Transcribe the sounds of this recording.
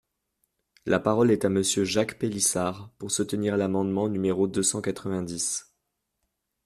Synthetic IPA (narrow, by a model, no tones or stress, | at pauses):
lapaʁɔlɛt̪aməsjøʒakpelisaʁpuʁsut̪əniʁlamɑ̃d̪mɑ̃nymeʁod̪øsɑ̃kat̪χəvɛ̃d̪is